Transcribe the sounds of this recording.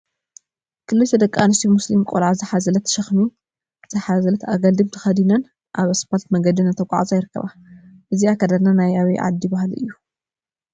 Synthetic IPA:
kʰɨlːɨt̪ʰɐd̪ɐkʼːanɨst̪ʰimuslimkʼolʕazɨħazɐlɐt̪ʰʃɐxnu | z̥ɨħazɐlɐt̪aɡɐld̪ɨmt̪ʰɨ̥xɐd̪inɐn | ʔaβɐspʰolt̪mɐɡɐd̪inɐnt̪ʰɐkʷʼa̰ʕa̰zʼajɪɾɨkʰːɐ̰βa | ʔɨziakʰɐd̪ananajaβiʕa̰d̪ːijbahlɨ̰jːu

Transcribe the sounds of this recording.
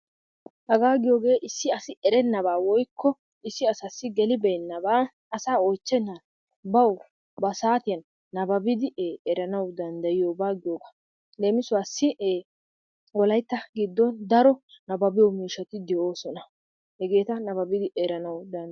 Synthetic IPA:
hɐɡaːɡɪjo̞ːɡe̞ːʔɪsːɪɐsɪʔɛɾɛnːɐβaːwɔjkʰːɔ | ɪsːɪɐsɐsːɪɡɛlɪbɛjnːɐbaː | ɐsaːojt͡ʃːɛnːa | bɐw | bɐsaːt̪ɪjɐnː | ɐbɐbɪd̪ɪeːɛɾɐnɐwd̪ɐnd̪ɐjɪjoːbaːɡɪjo̞ːɡa | le̞ːmɪsʊwaːsːɪeː | wɔlɐjt̪ːɐɡɪd̪ːɔnd̪ɐɾɔ | nɐbɐbɪjɔmiːʃɐt̪ɪd̪ɛʔo̞ːsɔnɐ | hɛɡe̞ːt̪ɐnɐbɐbɪd̪ɪʔɛɾɐnɐwd̪ɐn

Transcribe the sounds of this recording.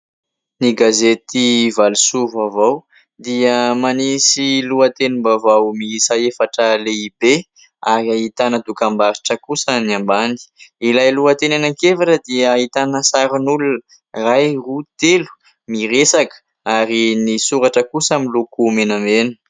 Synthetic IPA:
niɡazet̪ivalusuvavaw | d̪iəmanisiluət̪enimbavawmisaefaʈ͡ʂəleib̥e | aɾiait̪anəd̪ukambaɾiʈ͡ʂəkusəniambani̥ilajluət̪enanaŋkevaʈ͡ʂəd̪iəaɦit̪anəsaɾinulunə | rajrut̪elu̥ | miresakə̥ | aɾinisuɾaʈ͡ʂəkusaminlukumenamenə̥

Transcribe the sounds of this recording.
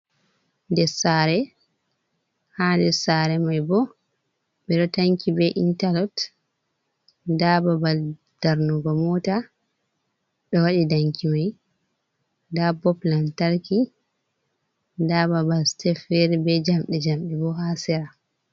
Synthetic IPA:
ndɛsaːɾɛ | handɛsaːɾɛmajbɔ | bɛɗɔtaŋkibɛʔḭntalɔt | dababal | d̥aɾnuɡɔmɔta | ɗɔwaɗidaŋkʰimaj | dabɔplantaɾki | dababalstɛfɛɾbɛd͡ʒamɗɛd͡ʒamɗɛbɔhasɛɾa

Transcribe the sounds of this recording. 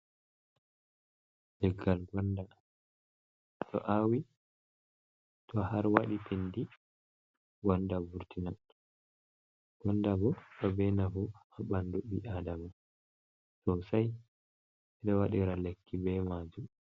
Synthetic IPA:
dɛɡːalɡɔnda | ttʰɔ̰ʔawi | tʰɔhaɾwaɗitʰendi | ɡɔndabuɾtinan | ɡ̥ɔndabɔɗɔbɛnavuaɓandubiʔadama | tɔsaj | ɛɗɔwaɗiɾalekʰːibɛmaːd͡ʒu

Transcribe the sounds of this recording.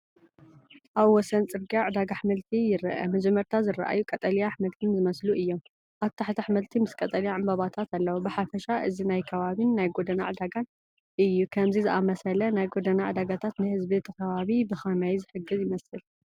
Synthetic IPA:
ʔaβwɔsɐnt͡sʼɨɾɡiaʕɨd̪aɡaħmɨlt̪ʰijɪɾɨ̰ʔɐ̰mɐd͡ʒɛmːɐɾt̪ʰazɨɾa̰ʔa̰jukʼɐt̪ʼɐlijaħmɨlt̪ʰinzɨmɐsluʔɨjːo̞m | ʔaβt̪ʰaħt̪ʰiħmɨlt̪ʰimɨskʼɐt̪ʼɐlijaʕambɐβat̪ʰat̪alːɐwobɨħafɐʃaʔɨzinajkʰɐβaβinːajɡod̪ɐnaʕɨd̪aɡan | ʔɨjːukʰɐmzizɨʔamɐsɐlɐnajɡo̞d̪ɐnaʕɨd̪aɡat̪ʰat̪nɨhɨzbiet̪ʰɐkʰɐβaβibɨxɐnajzɨħɨɡːɨzjɪmɐsɨl

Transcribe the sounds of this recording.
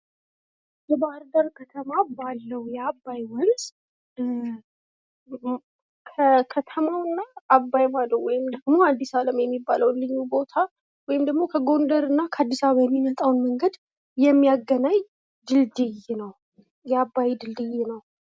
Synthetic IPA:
jɛbahɾd̪əɾkʰət̪ʰəmabalːəwjɛabːajwɔls | kʰəkʰət̪ʰəmawɨnːaːbːajmad̪əwɔjɪmd̪əɡmo̞ad̪ːisaləmjɛmːibːaləwnlɨɲːubo̞t̪ʰa | wɔjɪmd̪əɡmo̞kʰəɡo̞nd̪əɾɨnːakʰəad̪ːisaββajɛmːimət̪ʼawnməŋɡəd̪ | jɛmːijaɡːənaɲ | d̪ɨld̪ɨjnəw | jɛabːajd̪ɨld̪ɨjnəw

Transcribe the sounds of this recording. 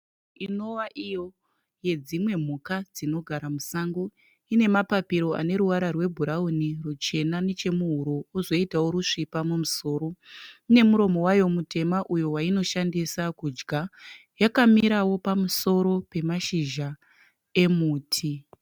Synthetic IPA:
ino̞waʔijo̞ | je̞d͡zimwe̞m̤ukad͡zino̞ɡʱaɾamusaŋɡo | ine̞mapapiɾo̞ʔa̰ne̞ɾuʋaɾarwe̞bʱuɾaunirut͡ʃe̞nane̞t͡ʃe̞muɦuɾouzo̞itawo̞ɾuʂipamumuso̞ːɾo̞ine̞muɾo̞mo̞wajo̞mute̞maʔujo̞waino̞ʃandisakud͡ʒɡʱa | jakamiɾawo̞pamuso̞ɾo̞pe̞maʃiʒa | e̞muːtʰi

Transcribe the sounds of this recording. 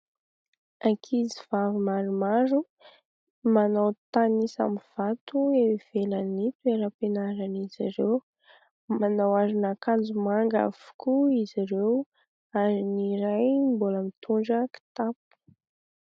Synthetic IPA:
akʰiziv̥avimaɾumaɾu | manawt̪anisa̰miv̥at̪uev̥elanipeɾapenaɾaniziɾew | manawaɾinakand͡zumaŋɡa̰v̥u̥kuiziɾew | aɾiniɾajmboləmit̪ʰuɳɖ͡ʐəki̥t̪ap̚u̥

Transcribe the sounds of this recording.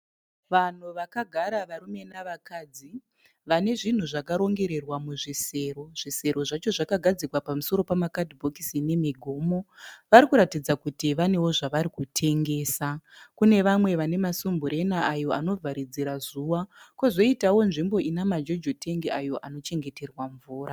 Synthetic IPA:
ʋan̤uʋakaɡʱaɾaʋaɾume̞naʋakaːd͡zi | ʋane̞ʐin̤uʐakaɾo̞ŋɡe̞ɾe̞rwamuʐise̞ro̞ʐ̥ise̞ɾo̞ʐat͡ʃo̞ʐakaɡʱad͡zikwapamuso̞ɾo̞pamakadʱibʱokisine̞miɡʱoːmo̞ʋaɾikuɾatid͡zakutiʋane̞wo̞ʐaʋaɾikutʰe̞ŋɡe̞ːsakune̞ʋamwe̞ʋane̞masumbuɾe̞naʔajo̞ʔano̞vʱaɾid͡ziɾazuwakozo̞itawo̞nʐimbo̞ʔinamad͡ʒo̞d͡ʒotʰe̞ŋɡiajo̞ʔano̞t͡ʃe̞ŋɡe̞te̞rwaɱvuːɾʔa

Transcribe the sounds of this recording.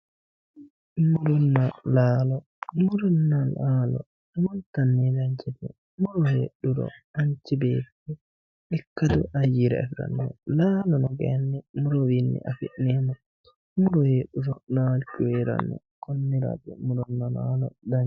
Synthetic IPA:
muɾɔnːalalɔ | muɾɔnːalalɔ̰ | multanːɛdaɲt͡ʃibɛ̰ | muɾɔhḛɗːuɾɔ̰aɲt͡ʃibɛtɛ | ɗikːadṵʔajiɾ̰a̰fiɾa̰nːɔlalɔnɔɡɛnːɛmuɾɔwinːḭʔafiɗnɛmɔ | muɾɔheɗuɾɔnalkiwɛɾa̰nːɔ̰ | kʰɔnːiɾa̰dɛ̰muɾɔnːalalɔ̰daɲ

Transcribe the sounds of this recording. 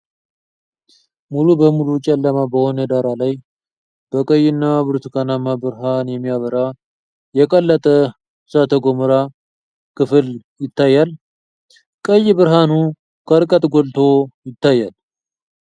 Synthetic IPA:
mulubəmulut͡ʃʼɛlːəmabəho̞nəd̪aɾalaj | b̥əkʼəjɪnːaβɨɾt̪ukʰanamabɨɾɦanjɛmːijaβəɾa | jɛkʼəlːət̪ʼə | sat̪ʰəɡomɨɾa | kʰɨfɨljɪt̪ːajːal | kʼəjːbɨɾɦanu | kʰəɾkʼət̪ʼɡolt̪ʰo̞jɪt̪ːajːal

